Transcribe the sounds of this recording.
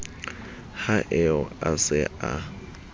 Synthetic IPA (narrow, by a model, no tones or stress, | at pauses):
haʔɛɔasɪʔa